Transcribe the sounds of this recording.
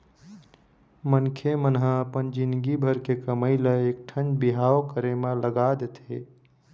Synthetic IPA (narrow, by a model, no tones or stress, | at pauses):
mənkʰemənɦãəpənd͡ʒind̪ɡibʱəɾkekəməjləek̚ʈʰənd͡ʒbiɦaokəɾemə̃ləɡad̪et̪ɦe